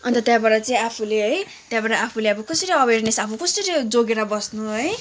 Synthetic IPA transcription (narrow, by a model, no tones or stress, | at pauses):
ʌnt̪ʌt̪jabaɾʌt͡sʌĩapʰuleɦʌj | t̪jabaɾʌapʰuleabʌkʌsʌɾiʌbernesapʰukʌsʌɾid͡zoɡeɾʌbʌsnuʌj